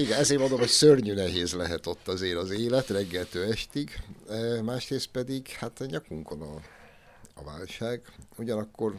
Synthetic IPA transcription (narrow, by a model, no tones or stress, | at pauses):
iɡɛnɛzeːɾmond̪omɦocsørɲynɛɦeːzlɛɦɛt̪o̞t̪ːɒzeːɾɒzeːlɛt̪rɛɡːɛlt̪øːɛʃt̪iɡ | maːʃreːst̪̚pɛd̪iɡhat̪ɲɒkuŋko̞nɒ | ɒ̰va̰ːlʃaːɡuɟɒnɒkːo̞r